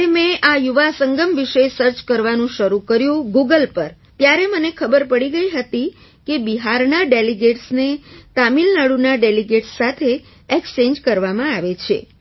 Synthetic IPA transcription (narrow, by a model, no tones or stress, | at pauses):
emẽʔajuʋasəŋɡəmʋiʃesəɾt͡ʃkəɾʋanũʃəɾukəɾjũɡuɡəlpəɾ | t̪jaɾemənekʰəbəɾpəɽiɡəiɦət̪i | kebiɦaɾnaɖeliɡeʈsnet̪amilnaɽunaɖeliɡeʈsːat̪ʰe | ekst͡ʃẽɲd͡ʒkəɾʋamãaʋet͡ʃʰḛ